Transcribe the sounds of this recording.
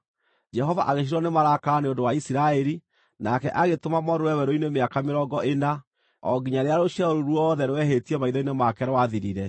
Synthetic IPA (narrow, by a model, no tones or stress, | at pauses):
d͡ʒɛɦɔva̰ʔaɣeʃ̬iɾɔnemaɾakaneondowaisiɾaɛɾi | nakɛʔaɣetomamɔɾoɛwɛɾoinemeakameɾɔɡɔʔena | ɔ̰ɡiɲaɾeaɾoʃiaɾoɾwɔðɛɾwɛhetiɛmaiðɔinemakɛɾwaðiɾiɾɛ